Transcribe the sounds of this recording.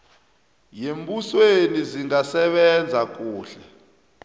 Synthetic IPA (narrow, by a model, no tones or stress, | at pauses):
jembusweniziŋasɛɓɛnd͡zʱak̬ʼuːɬɛ